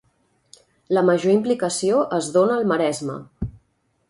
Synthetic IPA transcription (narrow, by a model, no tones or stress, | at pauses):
ləməʒoimplikəsioʔəzðonəːlˠməɾɛzmə̰